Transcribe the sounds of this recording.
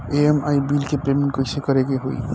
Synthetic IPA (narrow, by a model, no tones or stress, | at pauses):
eemajbilkepɾemiɳʈkojsʰekɔɾeɡeɦoḭ